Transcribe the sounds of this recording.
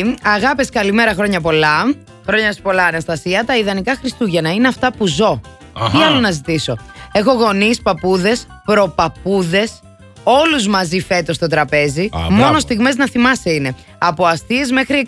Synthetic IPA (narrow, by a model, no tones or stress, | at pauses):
ɐɣɐpeskɐlime̞ɾɐxɾo̞ɲɐp̬o̞lɐ | xɾo̞ɲɐspo̞lɐːnɐst̪ɐsiɐt̪ɐiðɐnikɐxɾist̪uʝɐnɐineɐft̪ɐpuzo̞ | t̪iɐlo̞nɐzit̪iso̞e̞xo̞ɣo̞nispɐpuðe̞s | pɾo̞pɐpuðe̞s | o̞luzmɐzife̞t̪o̞st̪o̞t̪ɾɐpe̞zimo̞no̞st̪iɣme̞znɐθimɐseine̞ | ɐpo̞ɐst̪iezme̞xɾi